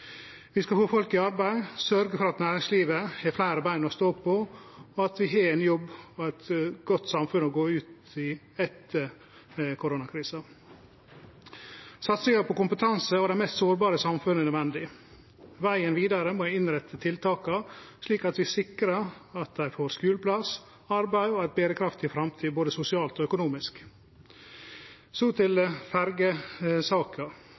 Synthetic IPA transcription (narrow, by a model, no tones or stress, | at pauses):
ʋɪskɑfoːfɔlkɪɑɾbæɪsœɾɡəfɔɾɑt̪næːɾɪŋsliːʋəhɛflæɪɾəbæɪnɔst̪oːpʰɔɔɑt̪ʋɪɦɑɾɛnjɔbːɔɛt̪ɡɔt̪ːsɑmfʉnɔɡoːʉːt̪ | ɪ | ɛt̪ʰə | kʰʊɾoːnɑkʰɾiːsə | sɑt̪sɪŋɑpʰɔkʊmpət̪ʰɑnsəɑːd̪ɛɪmɛst̪soːɾbɑːɾəsɑmfʉnəɛnœd̪ʋɛnd̪ɪ | ʋæɪənʋiːd̪ɑɾəmoːɪɪnɾɛt̪ʰːət̪ʰɪlt̪ʰɑːkɑʂɭiːkɑt̪ʋɪsɪkɾɑɑt̪̚d̪æɪfoːɾskʉːləpʰlɑs | ɑɾbæɪoɛt̪̚beːɾəkʰɾɑft̪ɪfɾɑmt̪ʰiːboːd̪əsʊsɪɑːlt̪ɔːœkʊnuːmɪsk | sot̪ʰɪlfæɾɡəsɑːkʰɑ